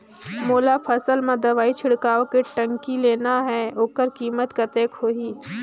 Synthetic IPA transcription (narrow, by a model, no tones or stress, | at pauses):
moːlapʰəsəlmãd̪ɐʋaːit͡ʃʰɪɽkaːokeʈə̃ŋkileːnaɦɛoːkəɾkiːmət̪kat̪eːkɦoːiː